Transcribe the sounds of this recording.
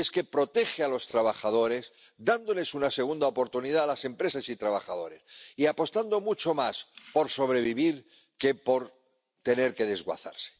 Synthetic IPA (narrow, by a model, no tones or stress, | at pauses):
eske̞pɾo̞t̪e̞xealo̞st̪ɾaβaxað̞o̞ɾe̞s | d̪and̪o̞le̞sunase̞ɣ̞und̪aopo̞ɾt̪uniðaːlase̞mpɾe̞sasit̪ɾaβaxaðo̞ɾe̞siapo̞st̪and̪o̞mut͡ʃo̞maspo̞ɾso̞βɾe̞βiβ̞iɾ | ke̞po̞ɾ | t̪e̞ne̞ɾke̞ðe̞zɣwa̰θa̰ɾse̥